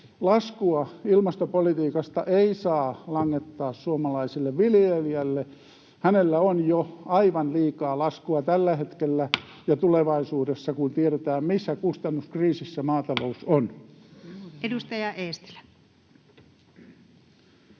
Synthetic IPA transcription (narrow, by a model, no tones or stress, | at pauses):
lɑskuɑilmɑst̪opolit̪iːkɑst̪ɑʔeisɑːlɑŋːet̪ːɑːssuomɑlɑisilːeʋʋiljeliælːe | hænelːæonjoɑiʋɑnliːkɑːlɑskuɑt̪ælːæhet̪kelːæ | jɑt̪uleʋɑisuːdesːɑkunt̪ieɾet̪æːmmisːækust̪ɑnːuskriːsisːæmɑːt̪ɑlouson | edust̪ɑjɑʔeːst̪i̥læ̥